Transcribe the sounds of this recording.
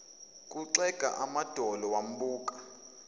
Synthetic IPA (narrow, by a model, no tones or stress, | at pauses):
kʼuǀɛɡ̥ʱa̰ʔamad̥ʱɔlɔwam̩ɓuːkʼḁ